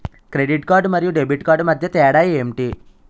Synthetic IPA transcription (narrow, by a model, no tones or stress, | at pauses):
kɾeɖiʈkaːɾɖmɐɾijuɖebʱiʈkaːɾɖmɐd̪ʱjɐt̪ɛːɐɽaːjiemʈi